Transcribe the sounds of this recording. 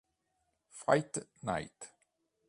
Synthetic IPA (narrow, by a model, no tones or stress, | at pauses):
fʁaɪtna̰ɪt